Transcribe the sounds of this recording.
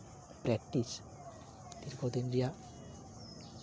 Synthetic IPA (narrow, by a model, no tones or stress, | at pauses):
pɾɛk̚ʈːis | t̪iɾkot̪enɾija